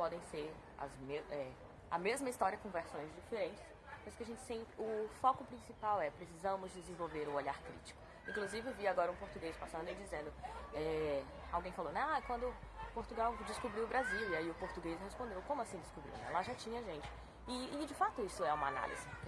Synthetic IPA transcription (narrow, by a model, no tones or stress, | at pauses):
pɔd̪ẽj̃seɾ | ɐ̰zmeɛ | ɐ̰mezmɐist̪ɔɾiɐkõveɾsõj̃zd͡ʒifeɾẽnt͡ʃɪ̥s | pajzʊkɪaʒẽnt͡ʃɪ̥sẽpɾɪʊfɔkʊpɾĩsipawɛpɾesizɐ̃mʊzd͡ʒezẽvowveɾʊoʎaɾkɾḭt͡ʃi̥kʊ̥ | ĩŋkluzivɪewviaɡɔɾɐũpoɾt̪uɡejspasɐ̃nd̪ʊɪd͡ʒizẽnd̪ʊɛ | a̰wɡẽj̃falownɛ̃akwɐ̃nd̪ʊpoɾt̪uɡawd͡ʒɪskubɾiwʊbɾaziwiaiʊpoɾt̪uɡejshespõnd̪ewkõmʊasĩd͡ʒ̪ɪskubɾḭwnɛ̰laʒat͡ʃĩɲɐʒẽnt͡ʃɪ̥ | ɪːd͡ʒɪfat̪ʊisʊɛũmɐa̰na̰lḭzɪ